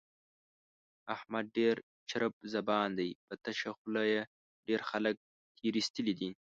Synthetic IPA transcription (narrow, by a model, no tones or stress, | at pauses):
ahmad̪̚ɖeɾ | t͡ʃʰaɾəp̚zɐbɑːnd̪ɐjpət̪aʃaxʊlaje | ɖeːɾxalək̚ | t̪ʰiɾist̪əlid̪i